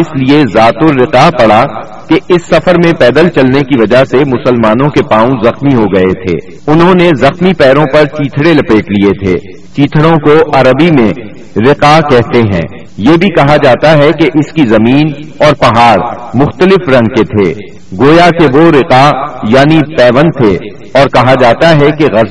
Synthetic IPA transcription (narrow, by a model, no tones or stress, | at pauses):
ɪsliezaːt̪ʊɾːɪqapɐɽ̤a | keɪsːɐfəɾmẽpɛːd̪əlt͡ʃɐlnekiʋɐd͡ʒaɦsemʊsəlmaːnõkepãːũzɐxmiɦoɡɐet̪ʰḛː | ʊnɦõnezɐxmipɛːɾõpɐɾt͡ʃiːt̪ʰɽelɐpeːʈliet̪ʰḛː | t͡ʃiːt̪ʰɽõkoʔɐɾəbimẽ | ɾɪqakɛɦtk̪eɦɛ̰̃ː | jebʱikɐɦad͡ʒaːt̪aɦɛkeʔɪskizɐmiːnɔːɾpɐɦaːɾmʊxt̪əlɪfɾɐ̃ŋɡ̚ket̪ʰḛː | ɡoːjakeʋoɾɪqajaːnipɛːʋə̃nt̪ʰe | ɔːɾkɐɦad͡ʒaːt̪aɦɛkeɣɐz